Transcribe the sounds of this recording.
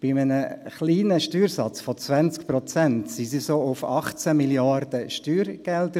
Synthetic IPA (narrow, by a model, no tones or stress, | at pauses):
b̥ɪmənəχliːnəʃtyːɾsɑt͡sfɔt͡svænt͡sk̚pɾɔt͡sɛntsisisoʊfɑχt͡sæmiljɑrd̥əʃtyːɾɡ̥ɛldə